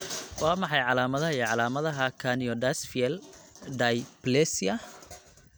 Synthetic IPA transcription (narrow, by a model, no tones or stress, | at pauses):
wɑːmɑħɑjʕɑlaːmɐðɐɦɐiɛʕɑlaːmɐðɐɦɐkʰaniɔd̪asfiɛld̪ajplɛsiɐ